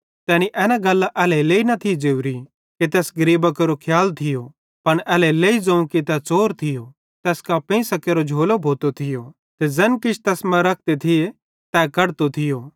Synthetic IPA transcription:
t̪ɛːniʔɛːnaɡɐlːaʔɛːlɛleːinɐt̪ʰid͡zeːʊɾi | kit̪ɛːsɡɐɾiːbakɐɾokʰjaːlt̪ʰɪjo | pɐñɛːlɛleːid͡zɐ̃ũkit̪ɛt͡soːɾt̪ʰɪjo | t̪ɛːskapẽsɐkeːɾod͡ʒʱoːlobʱoːt̪ot̪ʰɪjo | t̪ɛd͡zɐnkɪt͡ʃʰt̪ɛːsmɛ̃ɾɐk̚ʰt̪et̪ʰɪje | t̪ɛkɐɽt̪ot̪ʰɪjoː

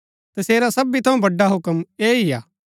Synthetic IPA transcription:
t̪ɐseːɾasɐbit̪ʰɐũbɐɖːaɦʊkəmeːijaː

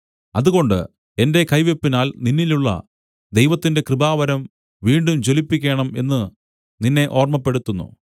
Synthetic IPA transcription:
ɐðuɣo̞ɳɖɨ̰ | e̞nde̞kɐjʋe̞pːinaːlninːiluɭːɐ̰ | d̪e̞jʋɐt̪ːinde̞krɨbaːʋɐɾɐm | ʋiːɳɖumt͡ɕo̞lipːikʲːeːɳɐme̞nːɨ | ninːe̞ʔo̞ːrmɐpːe̞ɽut̪ːunːṵ

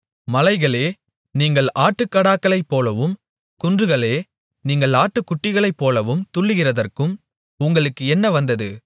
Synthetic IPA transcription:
mɐlɐɪɣɐɭeː | niːŋɡɐɭʔaːʈːɯkːɐɽaːkːɐɭɐɪpːoːlɐʋɯm | kʊndrɯɣɐɭeː | niːŋɡɐɭaːʈːɯkːʊʈːɪɣɐɭɐɪpːoːlɐʋɯmt̪ʊɭːɯɣɪrɐðɐrkɯm | ʊŋɡɐɭɯkːɯɛnːɐʋɐnd̪ɐðɯ

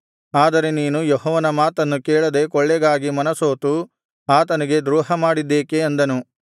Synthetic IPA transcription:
aːd̪ɐɾe̞niːnujoɦɔːʋɐnɐmaːt̪ɐnːukɛːɭɐd̪e̞kɔɭːɛɡaːɡimɐnɐsoːt̪u | aːt̪ɐniɡe̞d̪ɾuːɦɐmaːɽid̪ːeːkeɐnd̪ɐnu

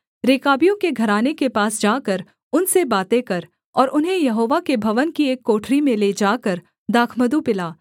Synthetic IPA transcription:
ɾeːkaːbijõkeɡʱɐɾaːnekepaːsd͡ʒaːkəɾ | ʊnsebaːt̪ekɐɾ | ɔːɾʔʊnɦẽjɐɦoːʋakebʱɐʋənkieːkːoːʈʰɾimẽled͡ʒaːkəɾ | d̪aːkʰməd̪upɪlaː

